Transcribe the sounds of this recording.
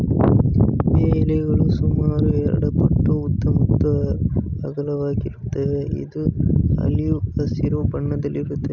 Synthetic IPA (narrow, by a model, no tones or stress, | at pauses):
ʋeːlɛɡɐɭusumaːɾuɛɾɐ̰ɽɐpɐʈːuut̪ːɐmɐt̪ːuɐɡɐlɐʋaːɡiɾut̪ːɐʋeḭd̪uɐ̰lijuɐsiɾobɐɳːɐd̪ɐlːiɾut̪ːe